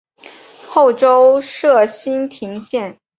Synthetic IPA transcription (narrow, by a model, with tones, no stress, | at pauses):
xo˥˩ʊʈ͡ʂo˥ʊʂɤ˥˩ɕi˥nt̪ʰi˧˥ŋɕjɛ˥˩n